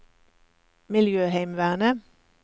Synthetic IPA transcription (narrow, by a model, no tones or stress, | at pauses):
mɪljøːhæɪmʋæːʁnə